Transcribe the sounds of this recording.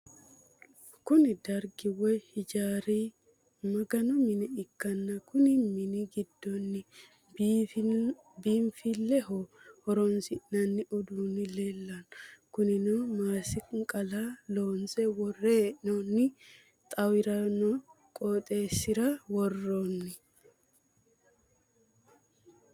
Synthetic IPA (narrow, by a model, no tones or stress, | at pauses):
kʊnɪd̪ɐɾɡɪwɛhɪd͡ʒaːɾiː | mɐɡɐnɔmɪnɪɪkːɐnːɐkʊnɪmɪnɪɡɪd̪ːɔnːɪ | biːmfilːɛɦoːhɔɾɔnsɪʔnɐnːɪʔʊd̪uːnɪleːlːɐnkʊnɪnɔmaːsɪkʼɐlaloːnsɛwɔrenɔnːɪ | t̪ʼɐwɪɾɐnɔ | kʼoːt̪ʼe̞ːsːɪɾɐwɔrːonːɪ